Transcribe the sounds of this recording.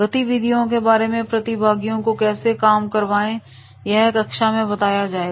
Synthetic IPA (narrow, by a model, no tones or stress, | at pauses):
pɾɐt̪iʋɪd̪ʱijõk̬ebaːɾemẽpɾɐt̪ibʱaːɡijõkokɛːsekaːmkɐɾʋaːẽ | jɐɦkɐkʃamẽbɐt̪aːjad͡ʒaːe